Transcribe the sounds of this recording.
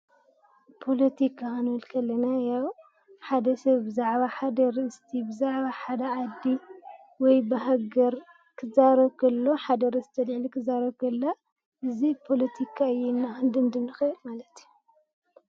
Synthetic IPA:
pʰo̞lɐt̪ʰikʰanwɐlkʰɐlːɐnajaw | ħad̪ɐsɐβbɨzaʕβaħad̪ɐɾɨɨst̪ʰibɨzaʕβaħad̪ɐʕad̪ːi | wɔjbɐɦaɡɐɾ | kʰɨzaɾɐβkʰɐlːoħad̪ɐɾɨzɨt̪ʰɐd̪ʕlikʰɨzaɾɐβkʰɐlːa | ʔɨzipʰo̞lɐt̪ʰikʰaɨjɛnːand̪ɨnd̪ɨmnɨxɨɨlmalɐt̪iju

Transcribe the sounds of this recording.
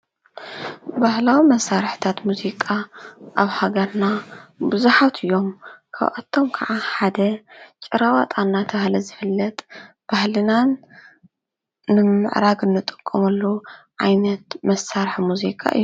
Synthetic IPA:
bahlawimɐsːaɾħt̪ʰat̪muzikʼaʔaβhaɡɐɾnabɨzuħat̪ʰɨjːo̞mkʰa̰βʔa̰t̪ʰːo̞mkʰaʕaħad̪ɐt͡ʃʼɨɾawat̪ʼanːat̪ʰɐβahlɐzɨfɨlːɐt̪ʼ | b̥ahlɨnan | ɨmɨ̰ʕɾaɡɨnːɨt̪ʼɨ̥kʼːɐmɐlːuʕajnɐt̪mɐsːaɾħmuzikʼa̰ʔɨ̰jːu

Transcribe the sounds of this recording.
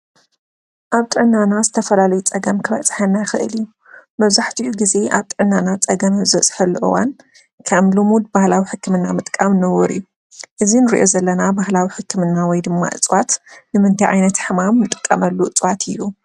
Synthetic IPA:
ʔaβt̪ʼɨʕnːanazɨt̪ʰɐfɐlalɐjut͡sʼɐɡɐmkʰɨβɐt͡sʼħɐnːajxɨʔɨ̰liju | mɐβzaħt̪ʰiʔuɡize̞ʔaβt̪ʼɨʕɨnːanat͡sʼɐɡɐmzɨɐt͡sʼħɐlːuʔɨ̰wan | kʰɐmlumud̪̚bahlawiħɨkːɨmɨnːamɨt̪ʼkʼamnɐwɔɾḭjːu | ʔɨzinɨɾiʔozɐlːɐnabahlawiħɨkːɨmɨnːawɔjd̪ɨmːa̰ʔɨ̰t͡sʼwat̪nɨmɨnt̪ʰajʕa̰jnɐt̪ħɨmamːɨt̪ʼɨ̥kʼːɐmɐlːuʔɨt͡sʼwat̪ʰɨjːu

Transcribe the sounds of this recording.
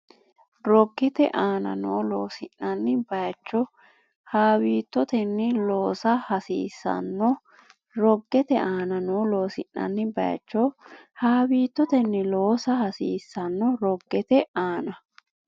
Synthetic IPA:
ɾɔɡːɛt̪ɛ̰ʔaːnɐ̰noːloːsɪnːɐnːɪbɐjt͡ʃːɔ | haːwiːt̪ːɔt̪ɛnːɪloːsɐhɐsiːsːɐ̰nːɔ | ɾɔɡːɛt̪ɛaːnɐnoːloːsɪnːɐ̰nːɪbɐ̰jɐ̰t͡ʃːɔhaːbiːt̪ːɔt̪ɛnːɪloːsɐhɐsḭːsːɐnːɔɾɔɡːɛt̪ɛaːnɐ

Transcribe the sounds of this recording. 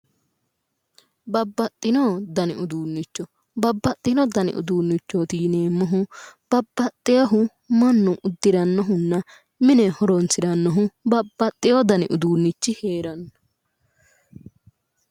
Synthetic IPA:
bɐbːɐt̪ʼːɪnɔd̪ɐnɪ̰ʔʊd̪uːnːɪt͡ʃːɔ | bɐbːɐt̪ʼːɪnɔd̪ɐnɪ̰ʔʊ̰d̪uːnːɪt͡ʃːoːt̪iːneːmːɔɦʊb̥ɐbːɐt̪ʼːɪjɐɦʊ | mɐnːʊʔʊd̪ːɪɾɐnːɔɦʊnːɐ | mɪnɛhɔɾɔnsɪɾɐnːɔɦʊbɐbːɐt̪ʼːɪjɔd̪ɐnɪ̰ʔʊd̪uːnːɪt͡ʃːɪheːɾɐnːɔ̥

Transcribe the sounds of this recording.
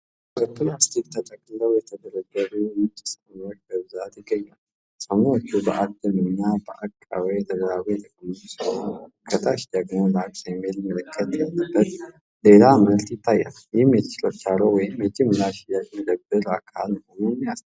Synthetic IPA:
ət̪ːunast̪ʰek̪t̪ʰət̪ʼəkʼləwjɛt̪ʰəd̪əɾəɡːəɾumɨt͡ʃʼːisəmwot͡ʃːbəbzat̪jɪɡːəɲːal | sʼəmwot͡ʃːubəʔak̚d̪ənɨɲːabəʔakʼːawet̪ʰəɡ̪əɾaβujt̪əkʼmuzusəkʰət̪ʰaʃd̪əɡmolaksajmelmələkʰːət̪jɛlːəbːət̪ | le̞laməlt̪jɪt̪ʰːajːa̰njɪhmjɛt̪ʰə̥t͡ʃɪlot͡ʃːalowɔjɪmjɛd͡ʒɪmɨlaʃjad͡ʒməd̪əbəɾakʰalməho̞numːijast̪

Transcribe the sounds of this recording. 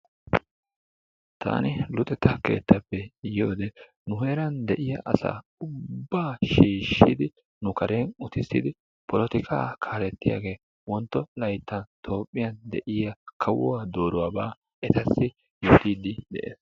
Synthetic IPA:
t̪ʰa̰ːnɪlʊt̪ʼɛt̪ːɐke̞̰ːt̪ːɐpːɛjo̞ːd̪ɛ | nʊheːɾɐnd̪ɛʔɪjɐʔɐsa̰ː | ʊbːaːʃiːʃːɪd̪ɪ | nʊkɐɾenʊt̪ɪsːɪ̰d̪ɪ | pɔlɔt̪ɪkʰʼa̰ːkʰaːlɛt̪ːɪja̰ɡe̞ː | wɔnt̪ːɔlɐjt̪ːɐnt̪ʰo̞ːpʼːɪjɐnd̪ɛʔɪjɐkʰɐwɔwaːd̪o̞ːɾʊwaːbaː | ɛt̪ɐsːɪ | joːt̪iːd̪ɪd̪ɛ̰ʔḛːs

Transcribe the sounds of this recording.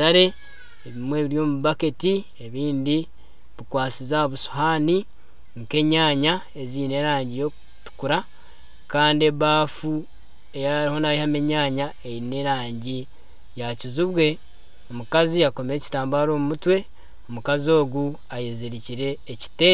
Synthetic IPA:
aɾe̞ | eβimwe̞ːβiɾjo̞ːmuβaketi | e̞βiːndi | βikwaːt͡sizaβuʃu̥haːni | ŋke̞ɲaːɲa | e̞ziːne̞ɾaːɲɟijo̞kutu̥kuɾa | kaːndieβaːfu | e̞jaɾiho̞naihame̞ɲaːɲa | eine̞ɾaːɲɟi | jaciziβwe̞ | omukaziako̞meci̥taːmbaːɾo̞ːmumutwe̞ | omukazio̞ːɡu | ajeziɾiciɾe̞ːci̥te̞ːn

